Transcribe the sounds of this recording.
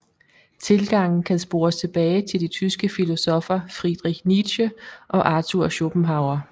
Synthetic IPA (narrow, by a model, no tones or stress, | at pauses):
t͡sʰe̝lɡ̥ɑ̈ŋ̰n̩kʰænsb̥o̝ːɐst͡sʰe̝b̥ɛːɪt͡sʰe̝ld̥it͡sʰysɡ̥əfilo̝sɒ̽fɐfʁid̥ʁiɡ̥nid̥ɕəʔɒ̽ʔɑ̈t͡sʰuɐ̰ɕo̝b̥m̩ɦɑ̈ʊɐ